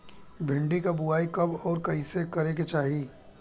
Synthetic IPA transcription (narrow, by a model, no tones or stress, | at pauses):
bʱɪ̃ɳɖikabuaːikɐbɔːɾkɐisekɐɾẽk̬et͡ʃaːɦi